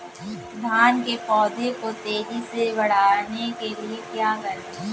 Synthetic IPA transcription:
d̪ʱaːnkepɔːd̪ʱẽkot̪eːɾiseʋɐɽ̤aːnekeliekjaːkɐɾ

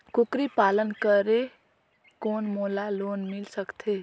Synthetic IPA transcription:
kukɾipaːlənkəɾe | koːnmoːlaloːnmɪlsəkt̪ʰe

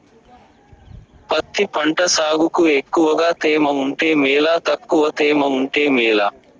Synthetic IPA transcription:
pɐt̪ːipɐɳʈɐsaːɡukuekːuʋɐɡaːt̪ɛːmɐuɳʈeːmɛːlaːt̪ɐkːuʋɐt̪ɛːmɐuɳʈe̞ːmiːla

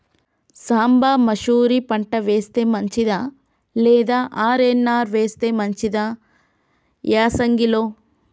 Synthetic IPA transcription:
saːmbaːmɐʃuːɾipɐɳʈɐʋeːst̪eːmɐɲt͡ʃid̪aː | lɛːd̪aːʔaːɾenːaːɾʋeːst̪eːmɐɲt͡ʃid̪aː | jaːsɐŋɡiloː

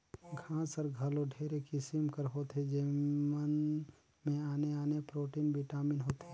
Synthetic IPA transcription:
ɡʱãːsəɾɡʱəloɖʱeːɾekisimkəɾɦoːt̪ed͡ʒemən | mẽaːneaːnepɾoːʈiːnbɪʈaːmɪnɦoːt̪e

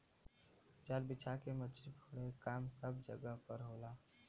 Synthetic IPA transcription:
d͡ʒaːɾbɪt͡ʃʰakemətipʰʊɽekaːmsəbd͡ʒəɡəɦpəɾɦoːlaː

